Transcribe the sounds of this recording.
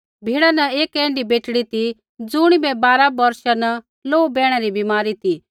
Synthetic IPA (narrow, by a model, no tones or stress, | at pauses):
bʱiːɽanɐeːkɛ̃ːɳɖibeːʈɽit̪i | d͡zʊɽ̃ibɛbaːɾabɐɾʃanɐ | loːubɛːɽ̃ɛɾibimaːɾit̪i